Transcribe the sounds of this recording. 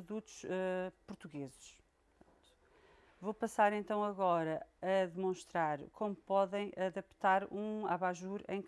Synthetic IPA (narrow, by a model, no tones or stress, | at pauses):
pɾuðut̪u̥ʃɛpuɾt̪uɣezʃ | ɐ̃t̪u̥ | vopɐsaɾẽnt̪ɐ̃w̃ɐɣɔɾɐɐðɨmõʃt̪ɾaɾkʰomupɔðɐ̃j̃ʔɐðɐpt̪aɾũaβaʒuɾḛ̃j̃k